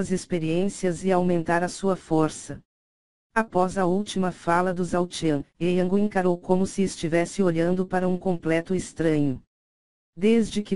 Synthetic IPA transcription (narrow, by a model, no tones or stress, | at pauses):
ɐzespeɾiẽsiɐzɪawmẽnt̪aɾɐsuɐfoɾsɐ | apɔzɐuwt͡ʃimɐfalɐd̪ʊzawt͡ʃiɐ̃ejɐ̃ŋɡʊẽŋkaɾowkõmʊsɪːst͡ʃivɛsɪoʎɐ̃nd̪ʊpaɾɐũkõmplɛt̪ʊest̪ɾɐ̃ɲʊ | d̪ezd͡ʒɪkɪ